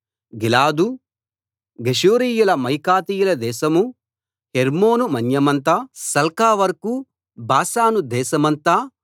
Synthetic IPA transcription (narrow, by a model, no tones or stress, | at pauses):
ɡilaːd̪u | ɡeʃuːɾiːjulɐmɐjkaːt̪iːjulɐd̪ɛːʃɐmu | heɾmoːnumɐnjɐmɐnt̪aːsɐlkaːʋɐɾku | baːsaːnud̪ɛːʃɐmɐnt̪aː